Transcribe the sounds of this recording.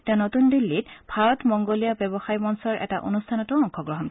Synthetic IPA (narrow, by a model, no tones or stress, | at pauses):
tɛnotundilːitbʱaɹɔtmɔŋɡolijabɛbɔxajbɔnsɔɹɛ̰taʔo̰nustʰanɔtʊɔŋxɔɡɹɔɦɔnk